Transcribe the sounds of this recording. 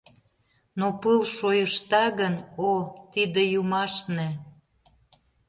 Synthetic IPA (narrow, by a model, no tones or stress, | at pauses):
nopɨlʃojəʃt̪ɑɣənot̪id̪ĕjumɑʃne